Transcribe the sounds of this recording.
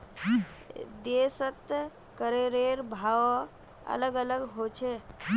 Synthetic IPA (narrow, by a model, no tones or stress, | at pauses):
d̪esət̪ | kəɾeɾeɾbʱaʋ | ə̰ləɡələɡɦot͡ʃʰe